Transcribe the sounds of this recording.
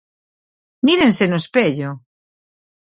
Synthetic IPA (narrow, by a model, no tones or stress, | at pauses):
miɾẽnsenospeʎo